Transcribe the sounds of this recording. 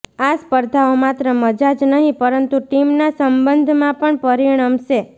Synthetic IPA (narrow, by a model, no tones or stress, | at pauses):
aspəɾd̪ʱaomat̪ɾəməd͡ʒad͡ʒnəɦĩpəɾənt̪uʈimnasəmbənd̪ʱmãpəɳpəɾiɽ̃əmʃe